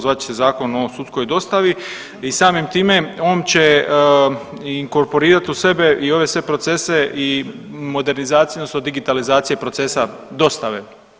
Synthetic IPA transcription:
zʋaːt̪t͡ʃe̥sezaːko̞no̞sut̪sko̞jd̪o̞st̪aʋi | isaːmimt̪iːme̞o̞ːnt͡ɕe̞ | iŋko̞ɾpo̞ɾiːɾat̪use̞be̞ʔio̞ʋe̞sʋe̞pɾo̞t̪se̞se̞ʔi | mo̞d̪e̞ɾnizaːt̪sijnosod̪iɡit̪alizaːt̪sije̞pɾo̞t̪se̞sad̪o̞st̪aʋe

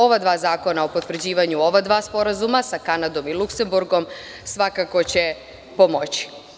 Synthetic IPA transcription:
o̞ʋad̪ʋaːzaːko̞nao̞po̞t̪ʋr̩d͡ʑiːʋaɲuo̞ʋad̪ʋaːspo̞ɾazumasakanad̪o̞milˠukse̞mbuɾɡo̞m | sʋakako̞t͡ɕe | po̞mo̞t͡ɕi̥

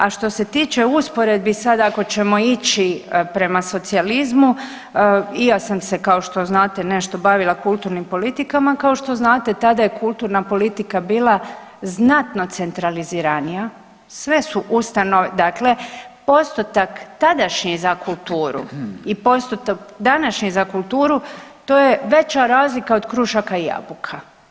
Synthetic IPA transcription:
aʃt̪o̞se̞t̪iːt͡ʃe̞uspoɾed̪̚bisad̪ako̞t͡ɕe̞mo̞it͡ʃipɾe̞maso̞t̪sializmu | ijasamse̞kaoʃt̪o̞znaːt̪e̞ne̞ʃt̪o̞baʋilˠakulˠt̪uɾnimpo̞lit̪ikamakaoʃt̪o̞znaːt̪e̞t̪ad̪ajekulˠt̪uɾnapo̞lit̪ikabiːlˠa | znat̪no̞t̪sent̪ɾaliziːɾanija | sʋe̞suʔust̪anoʋed̪akle̞po̞st̪ot̪akt̪ad̪aʃɲizakulˠt̪uːɾṵipo̞st̪ot̪akd̪anaʃɲizakulˠt̪uːɾut̪oːjeʋe̞t͡ɕaɾaːzlikaod̪kɾuʃakaija̰bukʰa

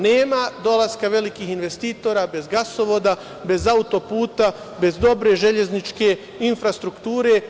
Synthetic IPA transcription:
neːmad̪o̞laskaʋe̞likiːxinʋe̞st̪iːt̪o̞ːɾabe̞zɡaso̞ʋo̞d̪a | be̞zaut̪o̞puːt̪a | be̞zd̪o̞bɾe̞ʒe̞ʎe̞znit͡ʃke̞ | infɾast̪ɾukt̪uːɾe̞

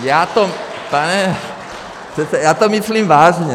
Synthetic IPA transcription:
jaːt̪o | panɛ | pr̥ɛt̪sɛjaːt̪omisliːmvaːʒɲɛ

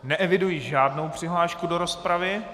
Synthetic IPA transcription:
nɛʔɛvɪdujiʒaːdno̞wpr̝̥ɪɦlaːʃkudo̞ɾo̞spɾavɪ

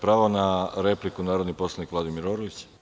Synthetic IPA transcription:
pɾaːʋonaɾeplikunaːɾod̪nipo̞slanikʋlad̪imiɾoɾolit͡ɕ

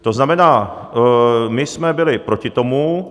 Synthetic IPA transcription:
t̪o̞znamɛnaː | mɪsmɛbɪlɪpɾo̞cɪt̪o̞mu

